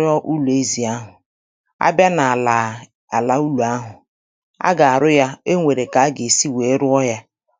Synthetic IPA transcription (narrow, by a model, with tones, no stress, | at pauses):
ɔ˦ʔu˦lu˨e˦zi˨a˦ɦʊ˨ | a̰˦bja˦na˨la˨ | a˨la˨u˦lu˨a˦ɦʊ˨ | a̰˦ɡa˨a˨ɾʊ˦ja˦e˦ŋʷe˨ɾe˨ka˨a˦ɡe˨si˦we˨˦ɾʊ˦ɔ˦ɦja˦